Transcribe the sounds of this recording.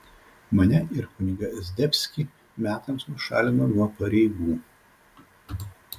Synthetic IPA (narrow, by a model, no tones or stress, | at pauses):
mɐnʲɛʔɪɾkʊnʲɪɡɐzʲd̪ʲɛpʲsʲkʲi | mʲæːt̪ɐmsnʊʃɑ̰ːlʲɪnɐnuɔpɐɾʲɛɪɡuː